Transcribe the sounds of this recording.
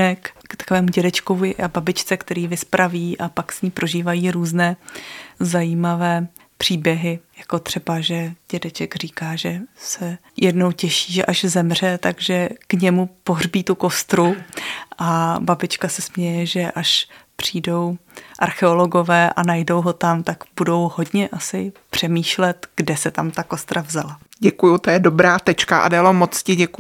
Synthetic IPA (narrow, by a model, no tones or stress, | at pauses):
ɛkkt̪ḁkovɛːmuɟɛdɛt͡ʃkovɪʔababɪt͡ʃt͡sɛkt̪ɛɾiːvɪspɾʔaviːʔapaksɲiːpɾo̞ʒiːvajiːɾuːznɛː | zajiːmavɛː | pr̥iːbjɛɦɪjḁko̞t̪r̥ɛbaʒɛɟ̥ɛdɛt͡ʃɛɡriːkaːʒɛsɛ | jʔɛdno̞wcɛʃiːʒɛʔaʒzɛmr̝ɛt̪aɡʒɛkɲɛmupo̞ɦr̝biːt̪uko̞st̪ɾuʔababɪt͡ʃkasɛsmɲɛjɛʒɛʔaʃpr̝̥iːdo̞wʔaɾxɛolo̞ɡo̞vɛːʔa̰najdo̞wɦo̞t̪amt̪akbudo̞wɦo̞dɲɛʔasɪpr̝̥ɛmiːʃlɛt̪ɡ̥dɛsɛt̪amt̪ako̞st̪ɾʔavzala | ɟɛkujut̪ojɛdobɾaːt̪ɛt͡ʃkaʔa̰daːlomot͡scɪɟɛk